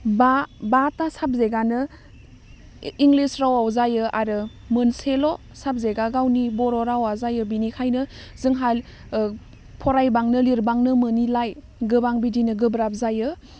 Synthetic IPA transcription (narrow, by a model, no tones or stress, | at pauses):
babatasap̚zeɡanɯ | iŋɡlisɾawawzajɯʔaɾɯ | mɯnselo | sap̚zeɡaɡawnibɔɾɔɾawazajɯbinikʰajnɯ | zɯŋɦal | pʰɔɾajbaŋnɯliɾbaŋnɯmɯnilaj | ɡɯbaŋbidinɯɡɯbɾap̚zajɯ